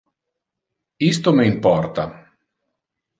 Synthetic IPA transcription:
ist̪omeimpɔrt̪a

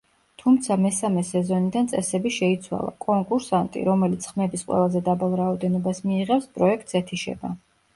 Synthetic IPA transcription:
t̪ʰumt̪sʰamɛsamɛsɛzɔnid̪ant̪sʼɛsɛbiʃɛit̪sʰwa̰lˠa̰kʼɔŋkʼuɾsant̪ʼḭɾɔmɛlit̪sʰχmɛbisqʼwɛ̰lˠazɛd̪abalˠɾaɔd̪ɛnɔbasmiːʁɛfspʼɾɔɛk̚ʰt̪ʼsɛt̪ʰiʃɛ̰ba

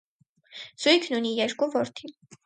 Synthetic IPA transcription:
z̥ujkʰnunijɛɾkuvɔɾt̪ʰin

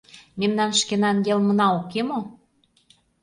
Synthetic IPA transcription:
memnɑnʃkenɑnjelmə̆nɑokemo

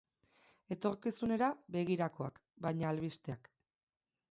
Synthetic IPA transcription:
e̞t̪o̞ɾkisune̞ɾabe̞ɣiɾako̞a̰k | bajɲaːlβist̪e̞ak

